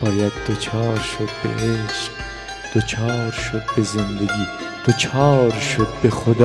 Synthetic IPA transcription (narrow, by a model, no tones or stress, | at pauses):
bɑːjad̪̚d̪ot͡ʃʰɑːɾʃod̪̚bḛeʃ | d̪̥ot͡ʃʰɑːɾʃod̪̚bezend̪eɡiːd̪̥ot͡ʃʰɑːɾʃod̪̚bexod̪